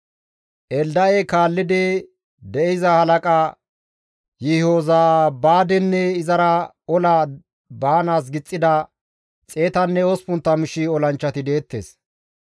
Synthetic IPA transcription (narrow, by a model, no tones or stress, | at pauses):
ʔɛld̪ɐekaːlːɪd̪ɛ | d̪ɛʔɪzɐhɐlɐkʼa | jɪhoːzabaːd̪ɛnːɛɪzɐɾɐ | ɔlɐ | baːnaːs̬ɡɪt͡sʼːɪd̪ɐ | t͡sʼe̞ːt̪ɐnːɛɔspʊnt̪ːɐmɪʃɪɔlɐnt͡ʃːɐt̪ɪd̪e̞ːt̪ːḛːs